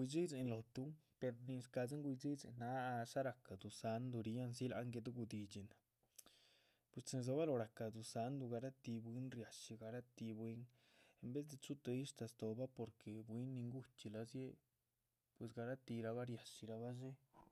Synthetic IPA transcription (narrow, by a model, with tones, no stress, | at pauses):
ɡʷwi˧d͡zi˦d͡ze˨nlo˨t̪u˦pe˧ɾni˧ska˧zi˦ŋɡʷi˧zi˦zḛ˨nːa˧˦˧sa˦ɾa˨ka˨d̪u˨sa˨˦nd̪u˧ɾi˧˦ja˦ns̬i˦la̰˧˦ŋɡe˧d̪u˦ɡu˧d̪i˧t͡ʃi˨na˨ | pwe˧st͡se˧nz̬o˧ba˦lo˧ɾa˨ka˨d̪u˨sa˧˦nd̪u˧ɡa˧ɾa˦t̪i˧bwi˦nɾja˨ʂi˧ɡa˧ɾa˦t̪i˧bwi˦n | e˧mbe˦sd̪e˧t͡ʃu˦t̪e˧i˦ʂt̪a˧st̪o˨ba˦po˨ɾke˨bwi˦nːi˧ŋɡu˦t͡ʃi˧la˧zje˦ | pwe˨s̬ɡa˧ɾa˦t̪i˧ɾa˧βa˦ɾja˨ʃi˧ɾa˧βa˦se˦